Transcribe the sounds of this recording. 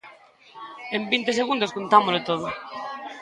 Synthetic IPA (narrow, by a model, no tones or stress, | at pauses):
embint̪es̬eɣund̪oskont̪amolet̪oð̞ʊ